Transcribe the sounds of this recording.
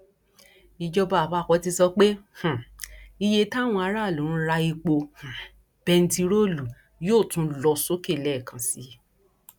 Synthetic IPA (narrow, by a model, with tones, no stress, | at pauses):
i˧d͡ʒɔ˧ba˧˨ba˦˨kɔ˨˦ti˧sɔ˧k͡pe˦h̩˨i˧je˧ta˦˨w̃ɔ̃˧a˧˦ɾa˦˨õ˨˦ũ˧˦ɾa˧i˧k͡po˧h̩˨ | b̥ɛ˧n̩˦ti˧ɾo˦˨lu˨ | joː˦˨tũ˨˦lɔ˧so˦ke˦˨lɛ˦˨kã˨si˨˧˨